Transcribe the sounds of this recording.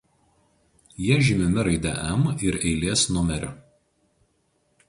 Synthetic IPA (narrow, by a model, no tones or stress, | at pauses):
jiɛʒʲɪmʲɪmʲɪɾɐɪd̪ʲɛ̰ʔɛmɪɾɛɪlʲeːsnʊmʲɛɾʲʊ